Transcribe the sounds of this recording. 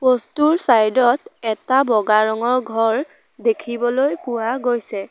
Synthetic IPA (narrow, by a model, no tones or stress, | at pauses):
pɔstuɹsajdɔtɛtabɔɡaɹɔŋɔɹɡʱɔɹ | dekʰibɔlojpʊwaɡojsɛ